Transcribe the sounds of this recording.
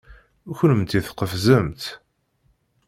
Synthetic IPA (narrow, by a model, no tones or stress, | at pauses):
uçənəmt̪iθqəfzəmt̪